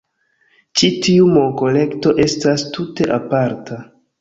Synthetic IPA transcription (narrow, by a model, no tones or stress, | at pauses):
t͡ʃitiumo̞ko̞le̞kto̞ʔe̞stastute̞ʔapaɾta